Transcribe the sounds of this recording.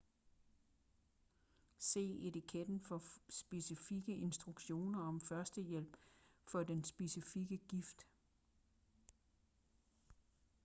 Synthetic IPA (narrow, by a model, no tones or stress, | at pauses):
se̝̰ːe̝t͡sikʰed̥n̩fɒ̽sb̥e̝sifiɡ̥əʔe̝nsd̥ʁuɡ̥ɕo̝̰ːnɐɒ̽mfɶɐsd̥əjel̰b̥fɒ̽d̥ensb̥e̝sifiɡ̥əɡ̥ifd̥